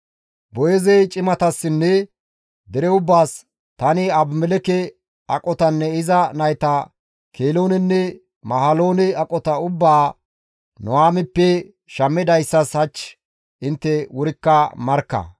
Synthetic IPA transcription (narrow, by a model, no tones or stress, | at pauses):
bɔjɛzɛjt͡ʃʼɪmɐt̪ɐsːɪnːɛ | d̪ɛɾɛʊbːaːs | t̪ɐnɪɐbmɛlɛkɛ | ɐ̰kʼɔt̪ɐnːɛɪzɐnɐjt̪ɐ | kʰeːloːnɛnːɛ | mɐɦɐlo̞ːnɛɐkʼɔt̪ɐʊbːaː | nɔwaːmɪpːɛ | ʃɐmːɛd̪ɐjsːɐshɐt͡ʃː | ʔɪnt̪ːɛwʊɾɪkːɐmɐɾkːɐ̰